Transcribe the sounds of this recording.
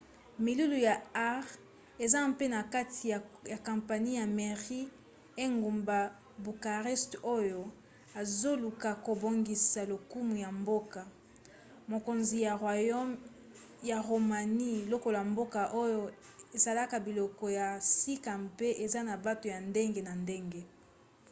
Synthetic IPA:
mi˨lu˦lu˨ja˨a˦ʁ | e˨za˦mpe˦na˨ka˦tʰi˨ja˨kã˨mpa˨ni˦ja˨me˨ʁi˦ | e˦ŋɡu˨mba˨ | bu˨ka˨ʁɛ˦sto˦jo˨ | a˨zo˦lu˨ka˨ko˨bo˨ŋɡi˨sa˨lo˨ku˦mu˨ja˨mbo˦ka˨ | mo˨ko˨nzi˨ja˨˦ | ja˨ʁo˨ma˨ni˦lo˦ko˨la˨mbo˦ka˨ʔo˦jo˦ | e˨za˨la˦ka˨bi˨lɔ˨kɔ˨ja˨si˦ka˨mpe˦ʔe˨za˦na˨ba˦to˨ja˨nde˦ŋɡe˦na˨nde˦ŋɡe˦

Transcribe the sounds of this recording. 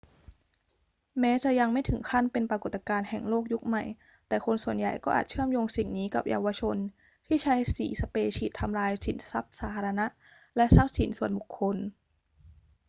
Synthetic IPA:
mɛː˦˥t͡ɕa˨˩ja˧ŋma˥˩jt̪ʰɯ˩˦ŋkʰa˥˩npe˧npɾa˧ko˨˩t̪ːa˧kaː˧nhɛ˨˩ŋloː˥˩k̚ju˦˥k̚ma˨˩j | t̪ɛː˨˩kʰo˧nsu˨˩ənja˨˩jkɔː˥ʔːt̪̚t͡ɕʰɯ˥˩əmjoː˧ŋsi˨˩ŋniː˦˥ka˨˩p̚jʔa̰ː˧wa˧t͡ɕʰo˧n | t̪ʰiː˥˩t͡ɕʰa˦˥jsiː˨˩˦sa˧peː˧t͡ɕʰiː˨˩t̪ʰːa˧mɾaː˧jsḭ˩˦nsa˦˥p̚saː˩˦˩t̪ʰa˧ɾa˧na˦˥ʔ | lɛ˦˥ʔsa˦˥p̚si˨˩˦nsu˨˩ənbu˨˩kʰːo˧n

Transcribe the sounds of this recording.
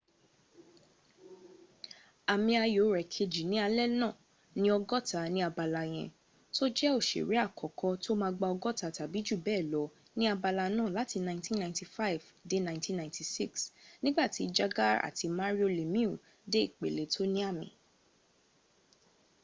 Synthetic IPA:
a˨mĩ˧a˧jo˨˦ɾɛ˨kʰe˧d͡ʒi˨nĩ˨˦a˧lɛ˦nãː˦˨ | nĩ˦ɔ˧ɡɔ˦˨ta˨˦nĩ˦a˧ba˨la˨j̃ɛ̰̃˨ | to˦d͡ʒɛ˦o˦˨ʃḛ˨ɾi˨˦a˦˨kʰɔ˨kɔ˧to˦mãː˧ɡ͡ba˧ɔ˧ɡɔ˦ta˨ta˨bi˨˦d͡ʒu˦˨bɛː˦˨lɔ˨˦ | nĩ˦a˧ba˧la˧nãː˦˨la˨˦ti˧nã˧ĩ˦tĩ˦nã˧ĩ˦ti˧fa˦˨v | de˨˦nã˧ĩntĩ˦nã˨ĩ˦ti˧si˦˨ksnĩ˦ɡ͡ba˦˨ti˨˦˧d͡ʒa˧ɡa˦a̰˦˨ti˧mã˦ɾi˦o˧le˨mĩ˦u˦˨ | de˦i˦˨k͡pḛ˨le˨˦tʰo˦nĩ˦a˦˨mḭ̃˨

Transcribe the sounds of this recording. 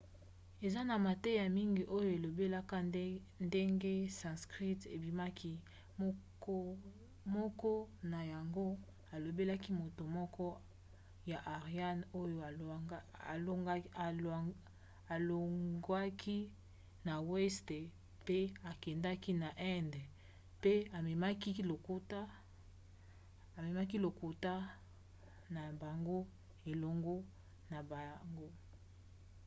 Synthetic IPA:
e˨za˦na˨ma˨te˦ja˨mi˦ŋɡi˨ʔo˦jo˦e˨lo˨be˦la˦ka˦ | nde˦ŋɡe˦sã˨skʁi˦te˨bi˨ma˦kʰi˦ | m˦ | ko˦ | mɔ˦kɔ˦na˨ja˨ŋɡo˦ | a˨lo˨be˦la˦ki˦mo˨to˨mɔ˦kɔ˦ | ja˨ʔa˨ʁa˦no˦jo˦˨ | o˦˨ | a˨lo˨ŋɡa˦kʰi˦ | na˨wɛ˦ste˨ | pe˦a˨kɛ˨nda˦ki˦na˨ʔɛ˦nd | pe˦a˨me˨ma˦ki˦lo˨ko˦ta˦ | a˨me˨ma˦k̬i˦lo˨ko˨ta˦ | na˨ba˨ŋɡo˦ | e˨lo˦ŋɡo˦ | na˨ba˨ja˨ŋɡo˦

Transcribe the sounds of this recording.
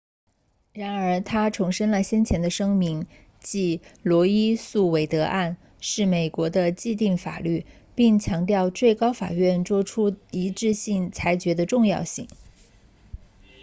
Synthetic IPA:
ɻa˧˥nə˞˧˥t̪ʰa˥ʈ͡ʂʰʊ˧˥ŋʂə˥nlə˨ɕjɛ˥nt͡ɕʰjɛ˧˥nd̪ə˧ʂɤ˥ŋmi˧˥ŋ | t͡ɕi˧˥lwɔ˧˥i˥su˥˩we˧˥ɪt̪ɤ˧˥ʔa˥˧n | ʂɻ̩˥˩me˨˩ɪkwɔ˧˥d̪ə˧t͡ɕi˥˧t̪̬i˥˩ŋfa̰˨˩ly˥˩ | pi˥˩ŋt͡ɕʰjɑ˧˥ŋt̪jɑ˥˧ʊt͡swe˥˩ɪkɑ˥ʊfa̰˨˩ɥɛ˥˩nt͡swɔ˥ʈ͡ʂʰu˥i˧˥ʈ͡ʂɻ̩˥˧ɕi˥˩ŋt͡sʰa˧˥ɪt͡ɕɥɛ˧˥d̪ə˧ʈ͡ʂʊ˥˧ŋjɑ̰˥˧ʊɕi˥˩ŋ

